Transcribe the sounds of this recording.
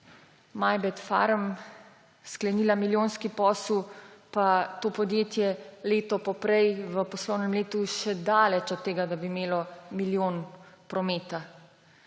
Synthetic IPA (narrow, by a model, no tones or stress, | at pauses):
majbɛt̪fa̰ɾm | sklɛniːlamiljoːnskipɔːswpat̪oːpɔd̪jeːt̪jɛleːt̪ɔpɔpɾɛjʋəpɔslɔwnɛmleːt̪uʃɛd̪aːlɛt͡ʃɔt̪ːeːɡad̪abimeːlɔmiljoːnpɾɔmeːt̪a